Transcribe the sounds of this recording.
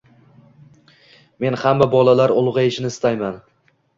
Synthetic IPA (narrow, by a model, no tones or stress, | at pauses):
me̞nhamːabɒlalaɾʊlˠʁɨɪʃɪnɪst̪ajman